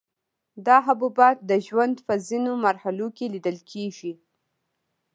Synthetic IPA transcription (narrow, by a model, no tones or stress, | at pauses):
d̪ɑɦabubɑt̪̚d̪əʒwand̪pəzinomaɾhalokelid̪əlkʰeʒi